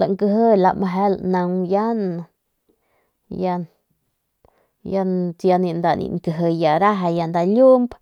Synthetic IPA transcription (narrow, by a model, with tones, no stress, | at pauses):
la˨ŋkɨ˧ɦɨ˦la̰˧ma˧ɦe˦lna˧ŋja˦n | ja˧n | ja˧nt͡sja˧ni˧nd̪a˨nḭ˧ŋkɨ˧ɦɨ˧ja˨ɾa˦ɦa˧ja˧nd̪a˧lʲu˦mb